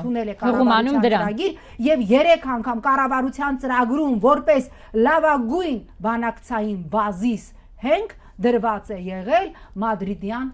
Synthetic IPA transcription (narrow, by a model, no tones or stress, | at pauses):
t̪ʰunɛlɛkɑəʁuɑmɑnumd̪əɾɑɾɑɡiɾ | jɛvjɛɾɛkʰɑŋkʰɑmkɑrɑvɑɾut͡sʰjɑnt͡səɾɑɡɾumvɔɾpɛs | lɑvɑɡujn | bɑnɑkt͡sʰɑjinbɑzis | hɛŋkʰ | d̪əɾvɑt͡sɛjɛʁɛlmɑd̪ɾid̪jɑn